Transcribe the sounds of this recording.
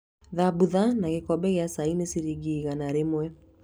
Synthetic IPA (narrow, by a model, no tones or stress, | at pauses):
ðabuðanaɣekɔbɛɣeasainesiɾiɣiɣanaɾemwɛ